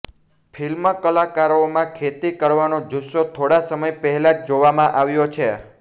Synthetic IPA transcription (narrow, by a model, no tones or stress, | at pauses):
fʰilməkəlakaɾomãkʰet̪ikəɾʋanod͡ʒuʃot̪ʰoɽasəməjpəɦɛlad͡ʒd͡ʒoʋamãʔaʋjot͡ʃʰe